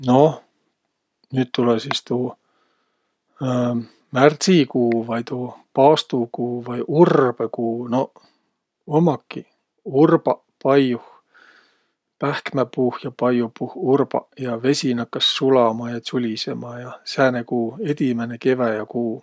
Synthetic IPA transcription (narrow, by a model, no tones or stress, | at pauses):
no̞ | nyːt̪̚t̪ːulesist̪uː | mært̪sikuːvɑjt̪uːpɑːst̪ukuːvɑjʔurb̥ekuːno̞ | omɑkːi | urbɑ | pɑjuh | pæhkmæpuhjɑpɑjupuhurb̥ɑ̰jɑve̞sʲinɑkːɑsːulɑmɑjɑt͡sulʲisemɑjɑsæːnekuːe̞d̪̥ʲimeneke̞væjɑkuː